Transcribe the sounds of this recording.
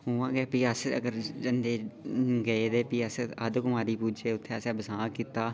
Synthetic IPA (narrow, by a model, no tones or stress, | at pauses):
ʊʋãːɡɛːpiːəsə̰ɡəɾd͡ʒənd̪eːɡəeːd̪eːpiːəsəd̪kʊmaːɾiːpuːd͡ʒeːʊt̪ʰːeəsɛ̃ːbəsãːkit̪aː